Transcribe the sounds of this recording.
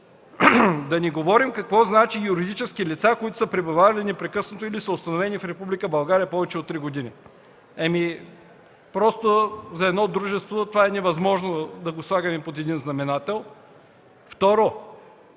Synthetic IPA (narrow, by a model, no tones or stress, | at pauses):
d̪ɐniɡovɔɾimkɐkvɔznat͡ʃijuɾid̪it͡ʃɛskilit̪sakoit̪ʊ̥səpɾɛbuvaɾɐlinɛpɾɛkɤsnot̪oilisəʊst̪ɐnovɛnifɾɛpublikəbɐlˠɡaɾijəpɔvɛt͡ʃɛot̪ːɾiɡod̪inḭ | ɛmi | pɾɔst̪ozɐɛd̪nɔd̪ɾuʒɛst̪vot̪ovaɛnɛvɐzmɔʒnod̪ɐɡoslˠaɡɐmɛpot̪ɛd̪inznɐmɛnat̪ɛlˠ | ft̪ɔɾo